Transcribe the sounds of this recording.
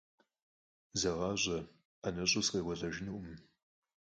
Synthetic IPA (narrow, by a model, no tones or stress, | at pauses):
zɐʁɑːʑʷʼɐ | anɐɕʼʊsqɐjwʷɐɮʼɐʒɪnuʔʷʊm